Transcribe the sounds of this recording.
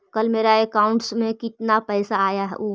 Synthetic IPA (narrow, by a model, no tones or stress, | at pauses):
kəlmeːɾaekaːʊ̃ɳʈsmẽkɪt̪napɛɪsaːjaɦɛ̰ʔuː